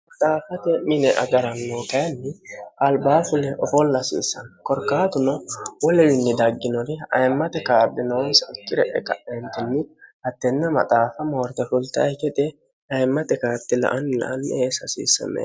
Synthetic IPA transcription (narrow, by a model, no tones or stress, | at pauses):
mɐt̪ʼaːfɐt̪ɛmɪnɛʔɐ̰ɡɐɾɐnːoːt̪ɐjɐnːɪɐlbaːfʊlɛʔɔfɔlːɐsḭːsːɐnkɔɾkːaːt̪ʊnɔwɔlɛwɪnːɪd̪ɐɡːɪnɔɾɪɐ̰jmːɐt̪ɛkaːbːɪnɔwɔnsɐɪkːɪɾɛʔɛ̰kɐ̰ʔɛnt̪ɪnːɪhɐt̪ːɛnːɛmɐ̰t̪ʼaːfɐmoːɾt̪ɛfʊlt̪ɐ̰jkɛt̪ʼɛ | ɐjmːɐt̪ɛkaːt̪ːɪlɐ̰ʔɐnːlɐ̰ʔɐnːeːsɐsḭːsːɐ̰mɛ̰